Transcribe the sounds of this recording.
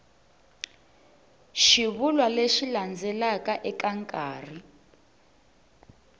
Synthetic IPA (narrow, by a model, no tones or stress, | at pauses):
ʃiβulwaleʃiland͡zʱɛlakaʔɛkaŋkʼaːri